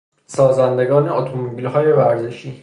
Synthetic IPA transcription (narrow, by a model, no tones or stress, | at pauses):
sɒːzænd̪e̞ɡɒːne̞ot̪ʰomobilhɒːje̞væɾzeʃiː